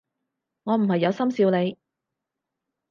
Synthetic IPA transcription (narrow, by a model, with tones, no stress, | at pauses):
ŋɔː˨˧m̩˨˩hɐ˨jːɐ˨˧wsɐ˥msiː˧wle˨˧j